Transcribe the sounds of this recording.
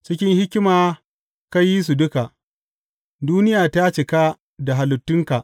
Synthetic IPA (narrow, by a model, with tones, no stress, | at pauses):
t͡ʃɪ˦kʲɪ˦ŋhɪ˦kʲɪ˦maː˨ | ka˦ji˦s̬u˨dʊ˦ka˨ʔ | duː˦nɪ˦jaː˨ta˦t͡ʃɪ˨ka˦ | da˨ɦa˨lʊ˨tːʊ˦ŋka˨ʔ